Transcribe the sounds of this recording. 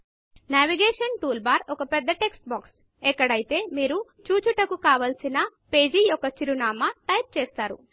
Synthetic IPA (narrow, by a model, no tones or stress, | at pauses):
naːʋiɡeːʂɐnʈuːlbaːɾɔkɐpɛd̪ːɐʈeksʈ̚baːks | ɛkːɐɽɐjit̪e̞ːmiːɾu | t͡ʃuːt͡ʃuʈɐkukaːʋɐlsinɐpeːd͡ʒijɔkːɐt͡ʃiɾunaːmɐʈɐjp̚t͡ʃeːst̪aːɾṵ